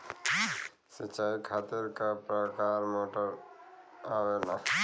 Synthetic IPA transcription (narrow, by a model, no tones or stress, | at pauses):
sət͡ʃaːikʰaːt̪eɾkapɾəkaːɾmoːʈəɾ | aːwena